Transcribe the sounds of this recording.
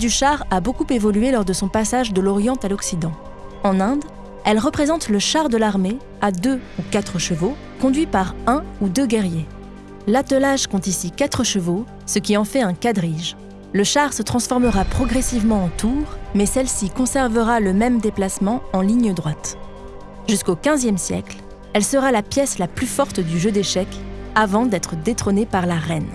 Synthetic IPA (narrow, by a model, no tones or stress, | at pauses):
d̪yʃaʁabokupevɔlyɥelɔʁd̪əsɔ̃pasaʒd̪əlɔʁjɑ̃t̪alɔksid̪ɑ̃ | ɑ̃nɛ̃d̪ | ɛlʁəpχezɑ̃t̪ləʃaʁd̪əlaʁme | ad̪øukat̪χəʃəvo | kɔ̃d̪ɥipaʁɛ̃ud̪øɡʲɛʁje | lat̪əlaʒkɔ̃t̪isikat̪χəʃəvo | səkʲiɑ̃fɛɛ̃kad̪ʁiʒ | ləʃaʁsət̪χɑ̃sfɔʁməʁapχɔɡʁɛsivmɑ̃ɑ̃t̪ʰuʁmɛsɛlsikɔ̃sɛʁvəʁaləmɛmd̪eplasmɑ̃ɑ̃liɲəd̪ʁwat̪ | ʒyskokʲɛ̃zjɛmsjɛkl | ɛlsəʁalapjɛslaplyfɔʁt̪d̪yʒød̪eʃɛkavɑ̃d̪ɛt̪χəd̪et̪χɔnepaʁlaʁɛn